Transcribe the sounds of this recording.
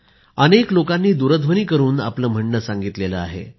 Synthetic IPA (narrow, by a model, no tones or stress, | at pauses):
əneklokanːiːd̪uɾəd̪ʱʋəniːkəɾuːna̰pləm̤əɳːəsãŋɡit̪leləa̰ɦḛ